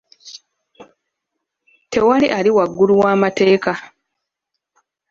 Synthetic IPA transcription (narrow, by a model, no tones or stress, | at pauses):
te̞waliʔaliwaɡːuluwaːmate̞ːka